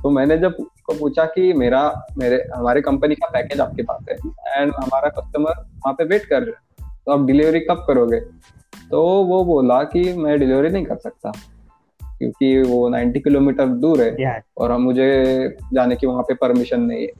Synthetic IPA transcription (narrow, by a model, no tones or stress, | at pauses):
t̪omɛ̃ːned͡ʒɐb̚skopuːt͡ʃʰakimeːɾameːɾeɦɐmaːɾikɐ̃mpənikapɛːkeːd͡ʒa̰ːp̚keba̰ːt̪ɦɛ̰ːɛ̃ːɳɦɐmaːɾakɐsʈəməɾʋɐɦãpeʋeːʈkɐɾɾa | t̪oɐb̚ɖɪlɪʋɾikɐp̚kɐɾoːɡeː | t̪oʋoboːlakimɛ̃ɖɪlɪʋɾinɐɦĩkɐɾsɐk̚t̪a | kjõ̰ːkiʋonã̰ːɪ̃ɳʈikɪloːmiːʈəɾd̪uːɾɦɛːɔ̰ːɾɦɐmːʊd͡ʒʱed͡ʒaːnekiʋɐɦãpepɐɾmɪʃənːɐɦḭ̃ɦɛ̰ː